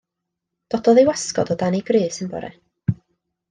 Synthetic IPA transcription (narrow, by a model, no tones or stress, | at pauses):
d̥ɔd̥ɔðewaskɔ̰dɔdaniɡriːsɪnbɔ̰ɾɛ̰